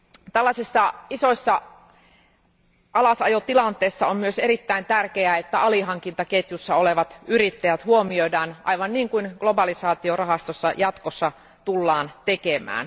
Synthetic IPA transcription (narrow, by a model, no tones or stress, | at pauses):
t̪ælːɑsʲisːɑiso̞isːɑ | ɑlɑsɑjot̪ilɑnt̪ˑeːsːɑommyøseɾit̪ːæint̪ærkeæet̪ːæɑliɦɑŋkint̪ɑket̪jusːɑoleʋɑt̪yɾit̪ːæjæt̪huomioidæːnʔɑ̰iʋɑnniːŋkuinɡ̥lo̞bɑlisɑːt̪iorɑɦɑst̪osːɑ̰jɑt̪kosːɑ | t̪ulːɑːnt̪ekemæ̰ːn